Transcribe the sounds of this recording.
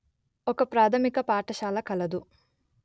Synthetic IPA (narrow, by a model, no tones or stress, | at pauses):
ɔkɐpɾaːt̪ʰɐmikɐpaːʈɐʃaːlɐkɐlɐd̪u